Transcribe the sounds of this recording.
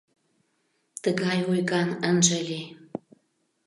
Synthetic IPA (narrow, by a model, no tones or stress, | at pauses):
t̪əɣɑjujɣɑnənʒə̆lʲe